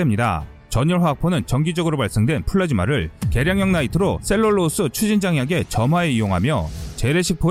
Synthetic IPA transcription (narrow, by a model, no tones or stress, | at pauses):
emɲida̰ | t͡ɕʌɲʌɭɸwaak̚p͈ʰonɯnt͡ɕʌŋɡid͡ʑʌɡɯɾobaɭs͈eŋdwe̞npʰuɭːad͡ʑimaɾɯɭke̞ɾjaŋjʌŋnaitʰɯɾos͈e̞ɭːoɭːos͈ʰɯt͡ɕʰud͡ʑind͡ʑaŋjaɡe̞t͡ɕʌmɦaeijoŋɦamjʌt͡ɕe̞ɾe̞ɕʰik̚p͈o